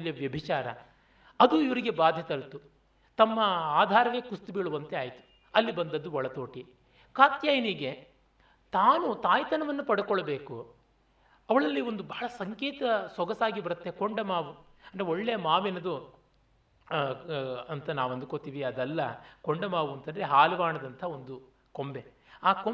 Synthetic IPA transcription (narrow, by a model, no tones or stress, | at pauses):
lijɐʋjɐbʱit͡ʃaːɾɐ | ɐd̪uiʋɐɾiɡe̞baːd̪ʱjɐt̪ɐlt̪u | t̪ɐmːɐaːd̪ʱaːɾɐʋe̞ːkust̪ubiɭuʋɐnt̪e̞aːjt̪u̥ | ɐlːibɐnd̪ɐd̪ːuɔɭɐt̪oːʈi | kaːt̪jaːjɐniɡe̞ | t̪aːnut̪aːjt̪ɐnɐʋɐnːupɐɽukɔɭːɐbeːku | ɐʋɐɭɐlːio̞nd̪ubɐhɭɐsɐŋkɛːt̪ɐsɔɡɐsaːɡibɐɾut̪ːekoɳɖɐmaːʋuɐnd̪ɾeoɭːejɐmaːʋenɐd̪u | ɐnt̪ɐnaːʋuɐnd̪ukoːt̪iːʋiɐd̪ɛlːɐkoɳɖɐmaːʋuɐnt̪ɐnd̪ɐɾe̞ɦaːlɐʋaːɳɐd̪ɐnt̪ʰɐo̞nd̪u | ko̞mbe̞ | aːko